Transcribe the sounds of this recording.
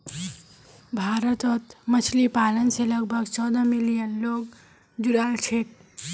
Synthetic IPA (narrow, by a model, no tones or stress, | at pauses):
bʱaɾət̪ət̪mət͡ʃʰlipalənseləɡ̚bʱəɡt͡ʃɔd̪ə̃milijənloɡ | d͡ʒuɾalt͡ʃʰeʈ